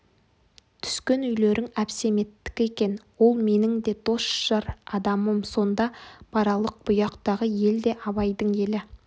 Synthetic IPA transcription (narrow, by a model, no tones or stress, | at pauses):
t̪ʰʏ̥skʲe̞nʏjle̞ɾʔɪŋæpse̞me̞t̪ːɪ̥kʲe̞kʲe̞nwo̞lˠme̞nɪŋd̪e̞d̪o̞sʃɑɾɑd̪ɑməmso̞nd̪ɑpʰɑɾɑlˠəq̚b̥ʊjɑqt̪ɑʁəje̞ld̪e̞ʔɑbɑjd̪əɴje̞lɪ